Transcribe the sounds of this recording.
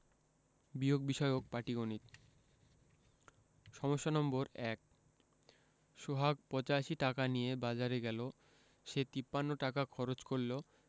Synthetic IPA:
bioɡ̚biʃɔeok̚paʈiɡonit̪ | ʃɔmoʃːonɔmboɾɛk̚ | ʃoɦaɡ̚pɔt͡ɕaʃiʈakanijebad͡ʑaɾeɡɛlo | ʃet̪ipːanːoʈakakʰɔɾot͡ɕkoɾlo

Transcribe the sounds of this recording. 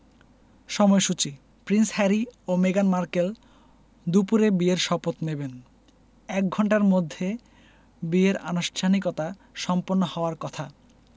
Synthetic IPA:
ʃɔmɔeʃut͡ɕi | pɾinshɛɾiomeɡanmaɾkel | d̪upuɾebieɾʃɔpot̪neben | ɛk̚ɡʱɔɳʈaɾmod̪ʱːe | bieɾa̰nuʃʈʰanikot̪a | ʃɔmponːohɔoaɾkɔt̪ʰa

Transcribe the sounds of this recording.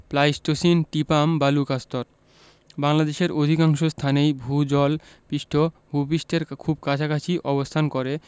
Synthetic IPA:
plajsʈosinʈipambalukast̪oɾ | baŋlad̪eʃeɾʔod̪ʱikaŋʃost̪ʰanejbʱud͡ʑɔl | piʃʈʰobʱupiʃʈʰeɾkʰub̚kat͡ɕʰakat͡ɕʰiʔɔbost̪ʰankoɾe

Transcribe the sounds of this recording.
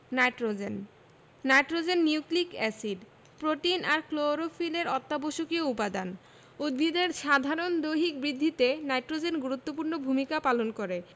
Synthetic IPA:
najʈɾod͡ʑenː | ajʈɾod͡ʑenːiuklikɛsiɖ | pɾoʈinaɾkloɾofileɾɔt̪ːaboʃokioupad̪an | ud̪̚bʱid̪eɾʃad̪ʱaɾond̪ojɦik̚bɾid̪ʱːit̪enajʈɾod͡ʑenɡuɾut̪ːopuɾnobʱumikapalonkoɾe

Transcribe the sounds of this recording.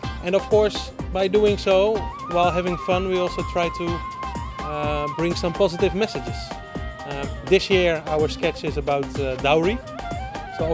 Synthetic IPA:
ʔɛ̃nʌfkɔɹs | baɪduɪ̃ŋsoʊ | waɪlˠɦɛvɪ̃ŋfʌ̃nwiɔlˠsoʊtʰɹ̥aɪtʰu | bɹɪ̃ŋsʌ̃mpɑzɨtɪvmɛsɨd͡ʒɪz̥ | ðɪsjɪɹaʊə˞skɛt͡ʃɪzəbaʊtdaɹi | soʊ

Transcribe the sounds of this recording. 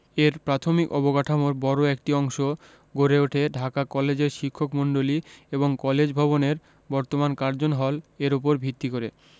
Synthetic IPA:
eɾpɾat̪ʰomikɔbokaʈʰamoɾbɔɾoek̚ʈiɔŋʃo | ɡʱoɾeoʈʰeɖʱakakɔled͡ʑeɾʃikʰːokmoɳɖolieboŋkɔled͡ʑbʱɔβoneɾ | bɔɾt̪omankaɾd͡ʑonɦɔleɾopoɾbʱit̪ːikoɾe

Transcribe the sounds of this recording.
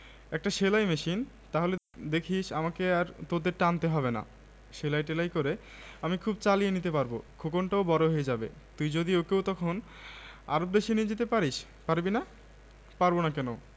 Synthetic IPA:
ɛk̚ʈaʃelajmeʃin | t̪aɦole | d̪ekʰiʃamakeaɾt̪od̪eɾʈaant̪eɦɔbena̰ | ʃelajʈelajkoɾe | amikʰubt͡ɕalijenit̪epaɾbo̰kʰokonʈaobɔɾoɦojed͡ʑabḛ | t̪ujd͡ʑod̪iokewt̪ɔkʰon | a̰ɾob̚d̪eʃinied͡ʑet̪epaɾiʃ | paɾbina | paɾbonakɛno

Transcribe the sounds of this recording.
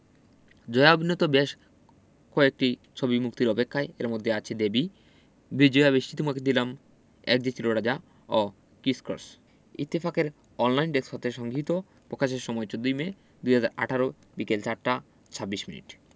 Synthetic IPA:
d͡ʑɔeabʱinot̪obeʃ | koek̚ʈit͡ɕʰobimuk̚t̪iɾɔpekʰːaeeɾmod̪ʱːeat͡ɕʰed̪ebi | bid͡ʑoabeʃʈit̪umaked̪ilam | ɛ̰k̚d͡ʑet͡ɕʰiloɽad͡ʑa | ɔ | kisko̰ɾs | ḭt̪ːifakeɾ | ɔnlajnɖeksʰɔt̪eʃɔŋɡʱit̪o | pɾokaʃ̬eɾʃɔmɔet͡ɕod̪ːojme | d̪ujɦad͡ʑaɾa̰ʈʰaɾo | bikelt͡ɕaɾʈa | t͡ɕʰabːiʃminḭʈ

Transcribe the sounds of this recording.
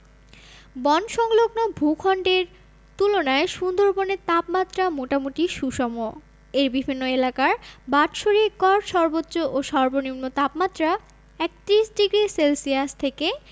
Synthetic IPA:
bɔnʃɔŋloɡnobʱukʰɔɳɖeɾ | t̪ulonaeʃund̪ʱoɾbonet̪apmat̪ːɾamoʈamuʈiʃuʃɔmo | eɾbibʱinːoelakaɾbaʈʃoɾikɔɾʃɔɾbotːɕoʔoʃɔɾbonimnot̪apmat̪ːɾa | ɛk̚t̪ɾiʃɖiɡɾiselsiast̪ʰeke

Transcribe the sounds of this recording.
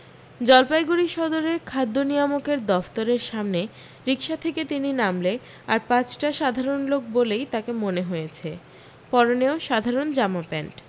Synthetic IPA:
d͡ʑɔlpajɡuɾiʃɔd̪oɾeɾkʰad̪ːonijamokeɾd̪ɔft̪oɾeɾʃamne | ɾikʃat̪ʰeket̪ininamle | aɾpãt͡ɕʈaʃad̪ʱaɾonlok̚bolejt̪akemoneɦojet͡ɕʰe | pɔɾoneoʃad̪ʱaɾond͡ʑamapɛɳʈ

